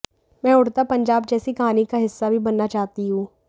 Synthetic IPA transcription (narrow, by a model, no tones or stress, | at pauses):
mɛ̃ːʊɽt̪apɐ̃ɲd͡ʒaːb̚d͡ʒɛːsikɐɦaːnikaɦɪsːabʱibɐnːat͡ʃaːɦt̪iɦũː